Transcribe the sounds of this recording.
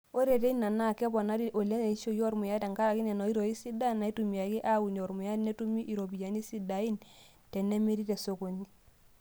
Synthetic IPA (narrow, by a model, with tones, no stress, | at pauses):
o˦ɾe˨te˦na˨na˦˨kɛ˦bɔ˨na˦di˦ʔo˨le˦ne˨i˦ʃo˦jɔ˦ɾmʊ˨ja˦ta˨ŋka˦ɾa˨ki˦nɛ˨nɔ˨i˦ɾɔ˨i˦si˦da˦˨na˨i˦tu˨m˨a˨ki˦ʔa˦wu˨n˨ɔ˨ɾmʊ˨ja˦dnɛ˦tu˦mi˦ʔi˨ɾo˨bi˨ja˨ni˦si˦da˨i˦n | tɛ˨nɛ˦me˦ɾi˦tɛ˨so˨ko˨ɲi˦